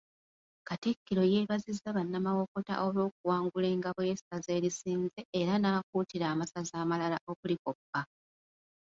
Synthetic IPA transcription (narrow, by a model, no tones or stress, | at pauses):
katikːiɾo̞je̞ːβazizːaβanːamawo̞ko̞ta̰ʔo̞lo̞ːk̚uwaːŋɡule̞ːŋɡaβujesaze̞ːɾisiːnze̞ːɾanaːk̚uːtiɾaːmasazaːmalalaʔo̞βulikopːa